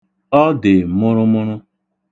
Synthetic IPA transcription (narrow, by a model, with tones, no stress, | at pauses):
ɔ˦dɪ˨mʊ˦ɾʊ˦mʊ˦ɾʊ˦